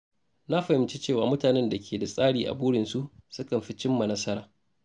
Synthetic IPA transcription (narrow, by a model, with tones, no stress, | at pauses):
na˦ɸɐ˨hɪ˨mt͡ʃi˦t͡ʃeː˦˨waː˨mʊ˦taː˨nɛ˦nda˨kʲʰeː˨da˨sʼaː˦ɽiː˨ʔa̰˨buː˦ɽɪ˨nsu˦ʔsʊ˦kɐ˨mɸi˦t͡ʃɪ˦mːa˨nɐ˦sɐ˦ɾaː˨